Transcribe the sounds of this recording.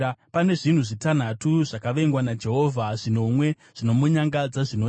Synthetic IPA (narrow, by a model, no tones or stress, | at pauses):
pane̞ʐin̤uʐitan̤atuʐakaʋe̞ŋɡwanad͡ʒe̞ɦo̞vʱaʐino̞mwe̞ | ʐ̥ino̞muɲaŋɡad͡zaʐino